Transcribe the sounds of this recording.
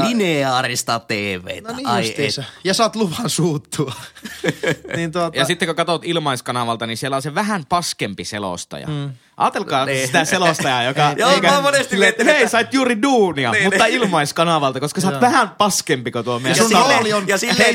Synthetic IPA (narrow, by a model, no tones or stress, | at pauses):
lineɑːrist̪ɑt̪eːʋˑḛˑit̪æɑiḛjɑsɑˑːt̪luʋɑnsuːt̪ːuɑ | nint̪uotjɑsit̪ːekokɑt̪ot̪ilmɑˑiskɑnɑʋɑlt̪ɑninsielæoseʋæɦæmpɑskempisḛlo̰st̪ɑ̰jɑ̰ | ʔɑːt̪elkɑːsst̪æselost̪ɑjɑjokɑjoekæmonest̪iet̪ːeˑisɑit̪juːriduːniɑmmuːɑilmɑiskɑnɑʋɑlt̪ɑkoskɑsɑːʋæhæmpɑskempikot̪uomesunlionjɑsiːe